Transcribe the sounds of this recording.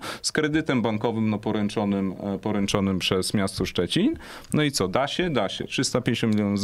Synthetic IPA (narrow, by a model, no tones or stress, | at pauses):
skɾɛd̪ɘt̪ɛmbaŋkɔvɘmnɔpɔɾɛnt͡ʂɔnɘmpɔɾɛnt͡ʂɔnɘmpʂɛsmʲjast̪ɔʂt͡ʂɛt͡ɕin | nɔit̪sɔd̪aɕɛd̪aɕɛ̰tʂɘst̪apʲjẽɲeɕɔ̃milʲjɔnuz